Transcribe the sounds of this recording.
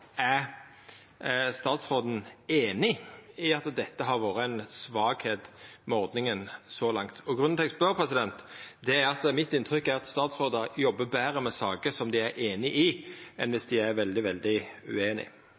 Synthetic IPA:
æɾ | st̪ɑːt̪sʁoːd̪n̩eːnɪɪɑt̪d̪ɛt̪ːəɦɑɾʋoːɾəɛnsʋɑːɡheːt̪mɛɔʁd̪nɪŋənsɔlɑŋt̪ʰɔɡʁʉnnt̪ʰɛksbøɾpʰʁɛsɪd̪ɛnt̪d̪ɛæɑt̪mɪt̪ːɪnt̪ʰɾʏkːæɾɑt̪st̪ɑːt̪sʁoːd̪əɾjɔbːəbæːɾəmɛsɑːkəsɔmd̪ɪæɾʔeːnɪʔɪʔɛnʋɪsd̪ɪæɾʋɛld̪ɪʋɛld̪ɪʉ̰eːnɪ̰

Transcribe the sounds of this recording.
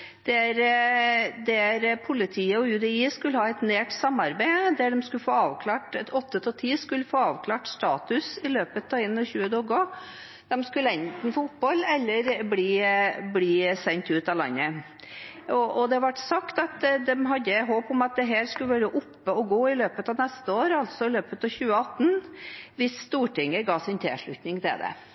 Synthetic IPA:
d̪̥ɛæɾ | d̪ɛæɾpʰʊlɪt̪ʰiːəɔjʉd̪ɛiːskʉlːəhɑːɛt̪neːʈsɑmːɑɾbæɪd̪æɖɛmskʉləfoːɑːʋkʰlɑːʈɔt̪ːət̪ʰɔlt̪ʰiːskʉlːəfoːɑːʋkʰlɑːʈst̪ɑːt̪ʉsɪløːpət̪ʰɑːɪnːɔçʉːəd̪oːɡɔ | d̪̥ɛmskʉlːəɛnt̪n̩foʊpbɔlɛlːəɾbliːbliːsɛnt̪ʉːt̪ɑlɑ̰nːə | ɔʔɔd̪ɛɑʋɑʈsɑkt̪ɑt̪d̪ɛmɦɑd̪ːəɦoːpɔmɑt̪̚d̪ɛɦæːɾskʉləʋæːɾəʔʊpːəɔɡoːɪløːpət̪ɑːʋnɛst̪əoːɾɑlt̪sɔɪløːpət̪ɑːʋçʉːəɑt̪ːn̩ʋɪsst̪uːʈɪŋəɡɑːsɪnt̪ʰɛ̰ːʂɭʉt̪nɪŋt̪ʰɛ̰d̪ɛ̰

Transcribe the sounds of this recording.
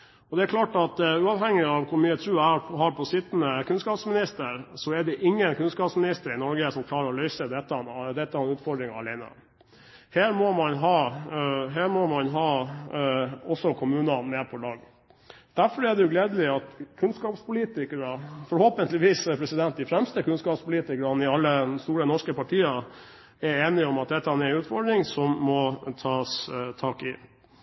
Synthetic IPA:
ɔd̪ɛæɾkʰlɑːʈɑt̪ʉːɑːʋɦɛŋːɪɑʋkʰʊɾmyːət̪ʰɾʉːɛɑhɑɾpʰɔsɪt̪ːnəkʰʉnskɑːpsmɪnɪst̪əɾsɔɛɖɛʔɪŋːənkʰʉnskɑːpsmɪnɪst̪əɾɪnɔɾɡəsɔmkʰlɑːɾəɾɔlœʏsəd̪ɛt̪ːɑd̪ɛt̪ːɑɛnʉːt̪fɔɖɾɪŋɑɑlɛɪnə̰ | heːɾmɔmɑnɦɑː | ɦeːɾmɔmɑnɦɑː | ɔsːɔkʰʊmʉːnɑnmɛpʰɔlɑːɡ | d̪̥æɾfɔɾɛɖ̪ɛjʊɡleːd̪əlɪɑt̪kʰʉnskɑːpspʊliːt̪ɪkəɾɑfɔɾhoːpənt̪lɪʋiːspʰɾɛsɪd̪ɛnt̪̚d̪ɪfɾɛmst̪əkʉnskɑːpspʊliːt̪ɪkəɾɑnɪɑlːəst̪uːɾənɔʂkəpɑʈʰiːɑ | ɛɾeːnɪɔmɑt̪̚d̪ɛt̪ːɑɛnɛnʉːt̪fɔɖɾɪŋsɔmːɔt̪ʰɑːst̪ʰɑːkɪ̰

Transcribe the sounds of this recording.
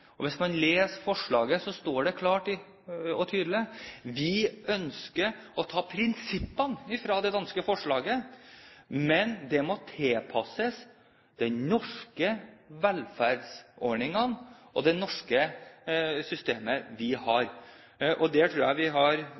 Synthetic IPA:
ɔʋɪsmɑnleːsfɔʂɭɑːɡəsɔst̪oːɖɛkʰlɑːʈɪ | ɔt̪ʰyːd̪lɪʋɪœnskəɾɔt̪ʰɑːpʰɾɪnsɪpːənɪfɾɑːd̪ɛd̪ɑnskəfɔʂɭɑːɡə | mɛnd̪ɛmɔt̪ʰeːpʰɑsəs | d̪̥ɛnɔʂkəʋɛlfæɾɖsʔɔɾɳɪŋɑnɔ̰d̪ɛnɔʂkə | sʏst̪eːməʋɪhɑɾ | ʔɔd̪ɛt̪ʰɾuːɾæɪʋɪɦɑɾ

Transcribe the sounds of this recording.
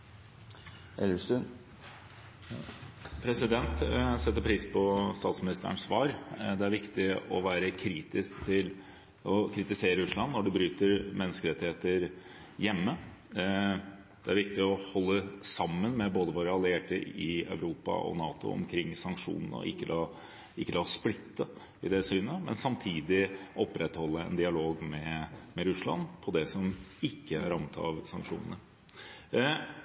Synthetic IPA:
ɛlːəʂʉ | pʰɾɛsɪd̪ɛnt̪sɛt̪ːəɾpʰɾiːspʰɔst̪ɑːt̪smɪnɪst̪ə̰ɳsʋɑːɾd̪ɛæɾʋɪkt̪ɪɔʋæːɾəkʰɾiːt̪ɪskt̪ʰɪl | ɔkʰɾɪt̪ɪseːɾəʉʂlɑnːɔɖʉbɾyːt̪əɾmɛnːəskəɾɛt̪ːɪheːt̪əɾ | jɛmːə | d̪̥ɛæɾʋɪkt̪ɪɔhɔlːəsɑmːənmɛboːd̪əʋoːɾəɑlːɪeːʈəɪœ̰ʉɾuːpɑ̰ɔ̰nɑːt̪ʊ̰ɔ̰mkʰɾɪŋːsɑŋkʂṵːnənəɔ̰ɪkːəlɑː | ɪkːəlɑːsplɪt̪ːə | ɪd̪ɛsyːnəmɛ̰nsɑmt̪ʰiːd̪ɪʔɔpːɾɛt̪hɔlːəɛ̰nd̪ɪɑloːɡmɛmɛɾʉslɑ̰npʰɔd̪ɛsɔmɪkːəæ̰ɾɑmːət̪ʰɑ̰ʋsɑŋkʂṵːnənə

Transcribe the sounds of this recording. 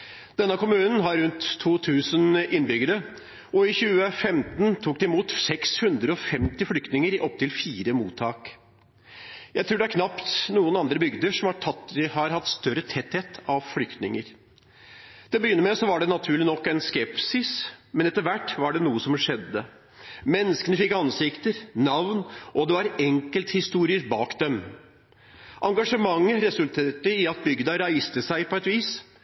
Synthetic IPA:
d̪̥ɛnːəkʊmʉːnn̩ɦɑɾːʉnt̪ʰːuːt̪ʰʉːsənɪnbʏɡəɾə | ɔɪçʉːəfɛmt̪nt̪ʰuːkd̪ɛɪmuːt̪sɛkshʉnd̪ɾəɔfɛmt̪ɪflʏkt̪nɪŋəɾɪʔɔp̚ːt̪ɪlfiːɾəmuːt̪ʰɑːk | jæɪt̪ʰɾʉːɖɛæɾkʰnɑpt̪nuːənɑnd̪ɾəbʏɡd̪əʂɔmhɑɑhɑɾhɑt̪ːst̪œɾət̪ʰɛt̪heːt̪ʰɑʋflʏkt̪nɪŋəɾ | d̪̥ɛbəjʏnːəɾmɛsɔʋɑɖɛnɑt̪ʰʉːɭɪnɔkːɛnskɛpsɪsmɛnɛt̪ːəɾʋæʈːʋɑɖɛnuːəsɔmʂɛd̪ːə | mɛnːəskənəfɪkːɑnsɪkt̪əɾnɑʋnʔɔd̪ɛʋɑɾɛŋkəlt̪hɪst̪uːɾɪəɾbɑːkd̪ɛm | ʔɑŋɡɑʂəmɑŋːəɾɛsʉlt̪ʰeːʈəɪɑt̪̚bʏɡd̪ɑɾæɪst̪əsæɪpʰɔɛt̪ʋiːs

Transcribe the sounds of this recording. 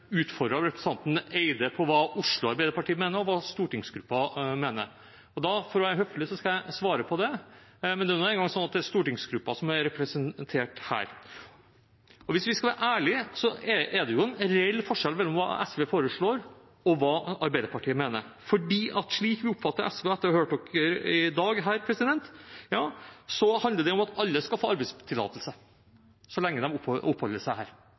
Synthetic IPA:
ʉːt̪fɔɾɖ̪ɾɑɾɛpɾəst̪ʰɑnt̪n̩eɪd̪əpʰɔʋɑːʊʂlʊɑɾbæɪd̪əɾpɑʈiːəmeːnəɾɔʋɑːst̪uːʈɪŋsɡɾʉpːɑmeːnə̰ɾ | ɔd̪ɑfɔɾɔʋæɦœflɪsɔskɑjæɪsʋɑːɾəpʰɔd̪ɛmɛnd̪ɛːænoːɛːnɡɑŋsɔnːɑt̪̚d̪ɛæst̪uːʈɪŋsɡɾʉpːɑsɔmæɾɾɛpɾɛsənt̪ʰeːʈhæ̰ːɾ | ɔʋɪsʋɪskɑlʋæːɾʔæːɭɪsɔɛɛɖɛjʊɛnɾɛɛlːfɔʂɛlmɛlːɔmʋɑ̰ːɛ̰sʋeːfoːɾəʂɭoːɾ | ɔʋɑːɑɾbæɪd̪əɾpɑʈʰiːəmeːnə̰ɾfɔɖiːʔɑt̪ʂɭiːkʋɪʊpːfɑt̪ːəɾʔɛsʋeːɛt̪ːəɾɑhøːʈɔkəɾɪd̪ɑːɡɦæːɾpʰɾɛsɪd̪ɛnt̪jɑːsɔhɑnd̪əɖɛɔmɑt̪ɑlːəskɑlfoːɑɾbæɪst̪ʰɪlːɑ̰ːt̪əlsə | sɔlɛŋːəd̪ɛmʊʊpːhɔlːəʂæɪhæːɾ

